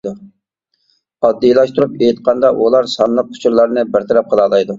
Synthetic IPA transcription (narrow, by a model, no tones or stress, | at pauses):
u | ɑd̪ːijlˠɑʃt̪ʰuɾupejt̪̚qʰɑnd̪ɑʔulˠɑɾsɑnlˠəp̚kʰʊ̥t͡ʃʰuɾlˠɑɾnɨbɪɾt̪ʰɨɾɛp̚qʰəlˠɑːlˠɑjd̪u